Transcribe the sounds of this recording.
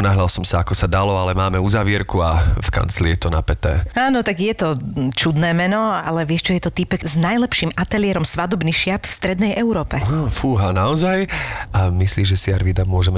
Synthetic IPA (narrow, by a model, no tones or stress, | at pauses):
naɦʎalsɔmsaakɔsad̪alɔalɛmaːmɛuzaʋɪɛɾkuafka̰nt͡slijɛt̪ɔnapɛt̪ɛ̰ːaːnɔt̪aɡjɛt̪ɔt͡ʃud̪nɛːmɛnɔa̰lɛʋɪɛʃt͡ʃɔjɛt̪ɔt̪ipɛkznajlɛpʃiːmat̪ɛlɪɛɾɔmsʋad̪ɔbniʃɪaɾt̪fst̪ɾɛd̪nɛjʔɛʊɾɔːpɛafuːɦanaɔzajamisliːʒɛsiaɾʋid̪amʊɔʒɛmɛ